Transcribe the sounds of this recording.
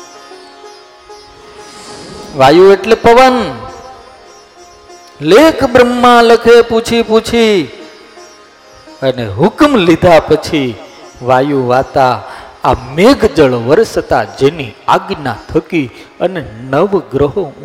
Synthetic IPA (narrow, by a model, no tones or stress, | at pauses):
ʋajueʈlepəʋən | lekbɾəmːãləkʰeput͡ʃʰiput͡ʃʰi | əneɦʊkmlid̪ʱapət͡ʃʰiʋajuʋat̪aː | meɡd͡ʒəɭʋəɾsət̪ad͡ʒenia̰ɡnã̰t̪ʰəkiənenəʋɡɾəɦõ